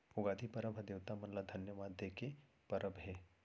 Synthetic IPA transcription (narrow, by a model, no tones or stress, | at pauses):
oɡad̪ʱipəɾəbʱəd̪eʋt̪amənlad̪ʱɐnjəʋad̪ʱjeke | pəɾʔəbʱɦe